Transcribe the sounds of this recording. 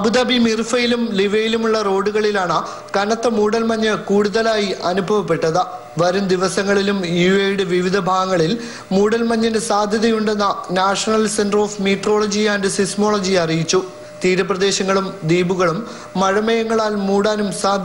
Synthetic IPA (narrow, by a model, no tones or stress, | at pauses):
ɐbud̪ɐbʱimirfɐjilumliʋɐjilumuɭːɐro̞ːɽuɣɐɭilaːɳɨ | kɐnɐt̪ːɐmuːɽɐlmɐɲːɨkuːɽuðɐlaːjiʔɐnubʱɐʋɐp̬ːe̞ʈːɐðɨ | ʋɐɾumd̪iʋɐsɐŋːɐɭilumjuejɽɨʋiʋid̪ʱɐbʱaːɣɐŋːɐɭil | muːɽɐlmɐɲːɐnɨsaːd̪ʱjɐðɐjuɳɖenːɐnaːʂɐnɐlsenɖro̞ːfmiːʈro̞ːɭɐd͡ʑijaːndesismo̞ːɭɐd͡ʑiɐrijit͡ɕːu | t̪iːɾɐprɐd̪e̞ːɕɐŋːɐɭumd̪iːbuɣɐɭumː | ɐɻɐmɐjɐŋːɐɭaːlmuːɽaːnumsaːd̪ʱj